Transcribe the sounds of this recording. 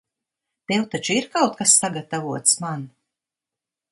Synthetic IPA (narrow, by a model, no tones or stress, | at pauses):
t̪ewt̪at͡ʃuiɾkawt̪̚kasːaɡat̪avuɔt̪sman